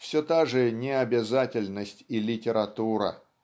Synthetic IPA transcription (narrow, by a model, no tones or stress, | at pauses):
fsʲot̪aʐɨnʲɪɐbʲɪzatʲɪlʲnəsʲtʲilʲɪtʲɪɾɐt̪uɾə̰